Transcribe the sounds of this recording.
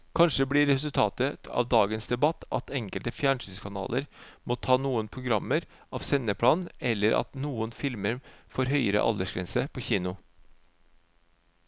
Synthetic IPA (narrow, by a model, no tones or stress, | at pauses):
kʰɑnʂəbɽɪɾɛsʉlt̪ʰɑːt̪ət̪ɑ̰ːʋd̪ɑːɡənsd̪ɛbɑt̪ʔɑ̰t̪ɛŋkəlt̪əfjæːɳsynskʰɑnɑ̰ːlʔə̰ɾmoːt̪ʰɑːnuːənpʰɾʊɡɾɑmːəɾ | ʔɑːʋsɛnəpʰɽɑːnɛlːəɾɑ̰t̪nuːənfɪlməɾfoːɾɦœʏəɾə̰ʔɑ̰ld̪əʂɡɾɛnsəpʰoːçiːnʊ